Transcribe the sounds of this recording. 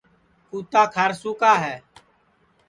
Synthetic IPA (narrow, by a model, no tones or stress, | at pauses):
kuːt̪aːkʰaɾsuːkaːɦɛː